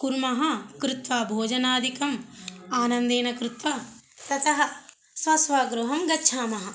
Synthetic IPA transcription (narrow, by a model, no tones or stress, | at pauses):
kuɾmɐɦɐkɾut̪ʋaːbʱoːd͡ʒɐnaːd̪ʱikɐmaːnɐnd̪eːnɐkɾut̪ʋat̪ɐt̪ɐɦɐ | sʋɐsʋaːɡɾuɦɐmɡɐtːʃʰaːmɐɦɐ̆